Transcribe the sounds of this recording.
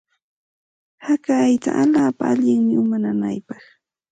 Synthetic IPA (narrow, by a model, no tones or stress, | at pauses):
hakaːjt̪a̰ʔaʎaːpaaʎɪŋmɪʊmanana̰jpɑχ